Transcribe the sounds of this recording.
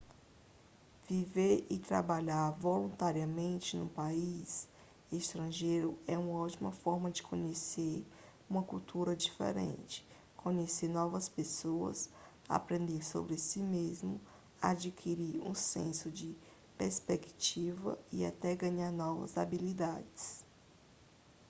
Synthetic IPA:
viveɾɪt̪ɾa̰baʎaɾvolũt̪aɾiɐmẽnt͡ʃɪnṵ̃pais | eʃt̪ɾɐ̃ʒejɾʊɛũmɐɔwt͡ʃimɐfɔɾmɐd͡ʒɪkʰõɲeseɾ | ũmɐkuwt̪ʰuɾɐd͡ʒifḛɾḛ̃t͡ʃɪ̥ | kʰõɲeseɾnɔvɐspesoɐ̰s | a̰pɾẽnd̪eɾso̰bɾɪsimezmʊ | ad͡ʒikʰiɾiɾṵ̃sḛ̃sʊd͡ʒɪ | peɾspeki̥t͡ʃivɐ̰ɪa̰t̪ɛɡɐ̃ɲaɾnɔvɐ̰za̰bilid̪ad͡ʒɪs

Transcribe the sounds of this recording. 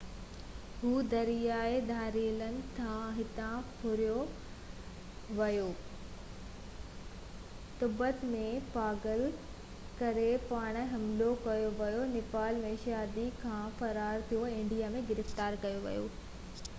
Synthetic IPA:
ɦuːd̪ɐɾijaːed̪ʱaːɾiːlənɪ̆t̪ʰãɦɪt̪ãpʰʊɾijo | ʋɐjoː | t̪ʊbət̪mẽpaːɡəl | kɐɾepaːɽ̃ɦɐmlokɐjoʋɐjonɪpaːlmẽʃaːd̪ikʰãːfɐɾaːɾt̪ʰijoɪ̃ɳɖijaːmẽɡɪɾɪft̪aːɾkɐjoʋɐ̰jo̰ː

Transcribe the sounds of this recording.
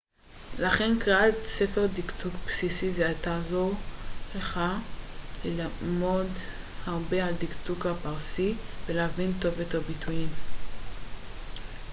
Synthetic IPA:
laχenkʁaatsefe̞ʁdiktukpsisizeatazo̞ʁleχa | lelamo̞d | haʁbealdiktukhapaʁsiv̥eleavinto̞vetobitʰuim

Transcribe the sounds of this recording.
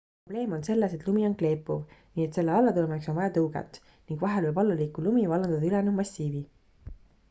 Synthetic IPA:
prob̥le̞ːmo̞nse̞lːese̞t̪ˑlumio̞nkle̞ːpːˑuvniːet̪se̞lːeɑlːɑt̪ulemiekso̞nvɑjɑt̪ɤwɡ̥ḛt̪ːˑ | niŋɡ̥vɑɦelvɤjbɑlːɑliːkːˑulumivɑlːɑnd̪ɑd̪ɑylɛnumɑsʲiːvi

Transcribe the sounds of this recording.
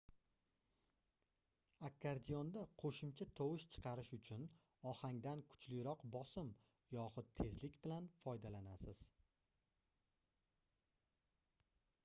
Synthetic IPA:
akʰːaɾd̪ijɒnd̪aqʰoʃʊmt͡ʃʰat̪ʰɒwɪʃt͡ʃʰɨ̥qʰɑɾɪʃʊt͡ʃʰʊn | ɒhaŋd̪ankʰʊ̥t͡ʃʰlɪjɾɒqbɒsɪm | jɒχʊd̪̚t̪ʰe̞zlɪkʲbɪlanfɒjd̪alanasɪz̥

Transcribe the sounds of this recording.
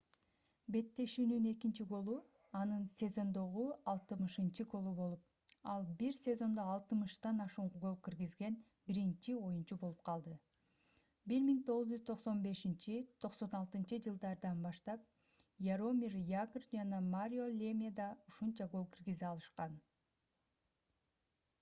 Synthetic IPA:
be̞t̪ːe̞ʃyːnyne̞kint͡ʃiɡo̞lˠu | ɑnɯnsʲe̞zo̞nd̪o̞ʁuɑlˠt̪ɯmɯʃɯnt͡ʃɯɡo̞lˠubo̞lˠup̚ | ɑlˠbiɾsʲe̞zo̞nd̪oːlˠt̪ɯmɯʃt̪ɑnɑʃuːɴʁuɡo̞lˠkiɾɡizɡe̞n | biɾint͡ʃio̞junt͡ʃubo̞lˠup̚qʰɑlˠd̪ɯ | biɾmiŋt̪ʰo̞ʁuzd͡ʒyzt̪ʰo̞qso̞nbe̞ʃint͡ʃit̪ʰo̞qso̞nɑlˠt̪ɯnt͡ʃɯd͡ʒɯlˠd̪ɑɾd̪ɑnbɑʃt̪ɑp̚ | jaɾo̞mʲirjaɡrd͡ʒɑnɑmaɾʲio̞lʲemʲad̪ɑuʃunt͡ʃɑɡo̞lˠkʰiɾɡiziɑlˠɯʃqɑn

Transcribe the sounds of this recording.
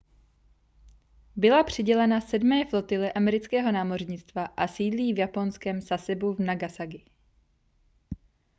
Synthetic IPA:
bɪlapr̝̥ɪɟɛlɛnasɛdmɛːflo̞t̪ɪlɛʔamɛɾɪt͡skɛːɦo̞naːmo̞r̝ɲɪt͡st̪vaʔasiːdliːvjapo̞nskɛmzasɛbuvnaɡasaɡɪ

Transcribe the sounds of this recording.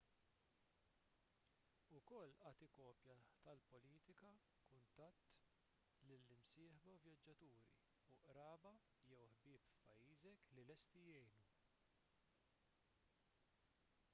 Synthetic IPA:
ʊkɔlːʔɐːt̪ɪkɔːpjɐt̪ɐlpɔliːt̪ɪkɐ | kʊnt̪ɐt̪ː | lɪlːɪmsɪːħbɐvjɐd͡ʒːɐt̪uːɾḭ | ʊʔɾɐːbɐ | jɛwħbɪːpfpɐjːiːzɛklilɛst̪ijɛjnu

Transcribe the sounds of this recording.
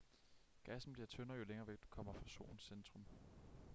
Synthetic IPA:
ɡ̥æsm̩b̥liɐt͡sʰønɐjo̝leŋɐːʋeɡ̥̚d̥u̥kʰɒ̽m̰ɐfʁɑ̈so̝̰ːn̩send̥ʁɔ̽m

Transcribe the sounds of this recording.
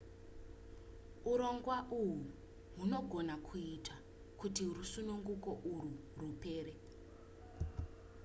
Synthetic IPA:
uɾo̞ŋɡwaʔuwu | muno̞ɡʱo̞nakʰuitʰa | kutirusunuŋɡuko̞ʔuru | rupe̞ːɾe

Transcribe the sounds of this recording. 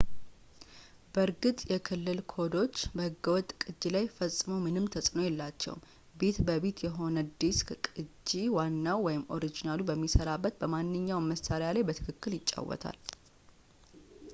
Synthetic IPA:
bəɾɡɨt̪ʼjɛkʰɨlːɨlkʰo̞d̪o̞t͡ʃːbəhɨɡːəwɔt̪ʼkʼɨd͡ʒːilajfəsʼːmowmɨnɨmt̪ʰəsʼnojɛlːat͡ʃːɛ̰w | be̞t̪bəβe̞t̪jɛɦo̞nəd̪iskʼɨd͡ʒːiwanːawːɔjɪmo̞ɾid͡ʒinalubəmːisəɾabːət̪bəmanːɨɲːawməsaɾjalajbət̪ʰɨkʰɨkːɨljɪt͡ʃʼːa̰wɔ̰t̪ʰa̰l

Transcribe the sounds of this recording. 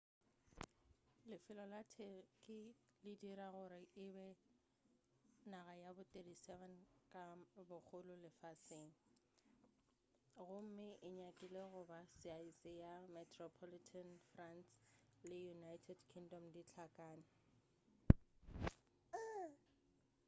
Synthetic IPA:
lɪfɪlɔlatʰekʼɪlɪdiɾaɣʊɾɪʔɪbɛ | naɣajabʊtʼedisɛvɛnkʼabʊk͡xʰʊlʊlɪfasɪŋ̩ | ɣʊm̩mɪʔɪɲakʼɪleɣʊbasɪaisɪjamɛtʰrɔpʰɔlitʰanfranslɪjunajtʰɛdkʰiŋdɔmdit͡ɬʰakʼaːnɪ

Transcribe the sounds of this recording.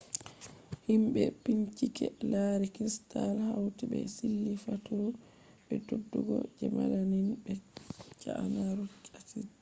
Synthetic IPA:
himɓɛpiɲt͡ʃikɛlaɾɛkɾistalhawtibɛsilːifatuɾu | bɛdodːuɡɔ̰d͡ʒɛmalaninbɛt͡ʃaanaɾut͡ʃʼatit

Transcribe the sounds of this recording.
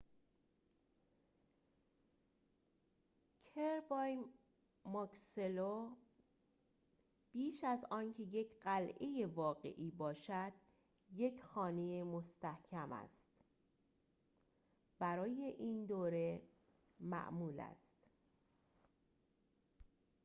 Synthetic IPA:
cʰeɾbɒj | mɒkselo | b̥iːʃæzɒːncʰe̞je̞cʰɢælʔeje̞vɒːɣe̞̰ʔiːbɒːʃæd̪̥̚ | je̞cʰxɒːnejemo̞st̪æhcʰæmæ̰st̪ | b̥æɾɒːje̞ʔiːnd̪oːɾe̞ | mæ̰ʔmuːlæ̰st̪

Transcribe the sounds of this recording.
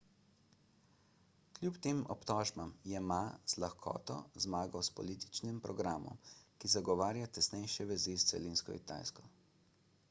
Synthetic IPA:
klʲjupt̪eːmɔ̰pt̪ɔːʒbamjɛmaz̥laxkʰɔ̰ːt̪ɔ̰zmaːɡawspɔ̰liːt̪i̥t͡ʃnimpɾɔɡɾaːmɔ̰mkizaɡɔʋaːɾjat̪ɛsnɛjʃɛʋɛzist̪sɛ̰liːnskɔḭt̪a̰ːjskɔ

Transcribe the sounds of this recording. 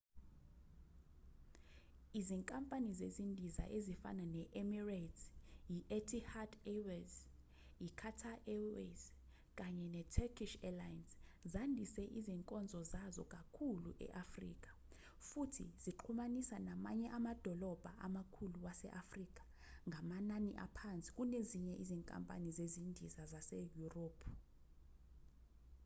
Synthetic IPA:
iziŋkʼampʼanizezindʱiza̰ʔezifa̰nanɛʔɛmiratjiʔɛtʰʼihadɛwz | jikʰatʰaʔɛwɛz | kʼaɲɛnɛtʰɛkʰiʃɛlajanszandʱisɛʔiziŋkʼɔnd͡zʱɔzazɔ̰kʼakʰuluʔɛ̰ʔafrḭːk̬ʼḁ | futʰḭz̥iǃʰumanisanama̰ɲɛʔamad̥ʱɔlɔb̥ʱaʔamakʰuluwasɛ̰ʔafrik̬ʼḁ | ŋɡʱamananḭʔapʰant͡sʼi̥k̬ʼuneziɲɛʔiziŋkʼa̰mpʼa̰nizezindʱizazasejuroːpʰ

